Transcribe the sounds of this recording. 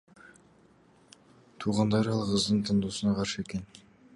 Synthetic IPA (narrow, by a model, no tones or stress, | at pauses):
t̪ʰuʁɑnd̪ɑɾɑlˠqʰəzd̪əɴt̪ʰənd̪usənɑqʰɑɾʃəe̞ke̞n